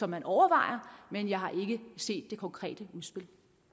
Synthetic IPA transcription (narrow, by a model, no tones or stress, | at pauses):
sɒ̽mːænʔɒʊɐʋɑ̈ɪ̰ɐmenjɑ̈ɪɦɑ̈ʔe̝ɡ̥əse̝̰ːd̥ːe̝kʰɒ̽ŋkʰʁɛ̰ːd̥əuðˠsb̥el̰